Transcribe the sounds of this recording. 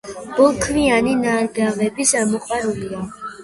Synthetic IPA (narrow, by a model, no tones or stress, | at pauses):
b̥ɔlˠkʰvianinaɾɡaʁɛbisamɔqʼwaɾulia